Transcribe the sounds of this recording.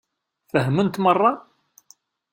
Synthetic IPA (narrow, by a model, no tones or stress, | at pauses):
fəɦmənt̪mərˤːɑ